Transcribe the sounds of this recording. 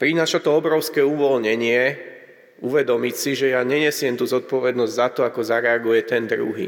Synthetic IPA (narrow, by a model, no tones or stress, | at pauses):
pɾinaːʃat̪ɔɔbɾɔʊskɛuʋɔlɲɛɲɪɛ | uʋɛd̪ɔmicsiʒɛjaɲɛɲɛsɪɛmt̪uzɔt̪̚pɔʋɛd̪nɔzɟzat̪ɔakɔzaɾɛaɡujɛt̪ɛnd̪ɾṵɦḭ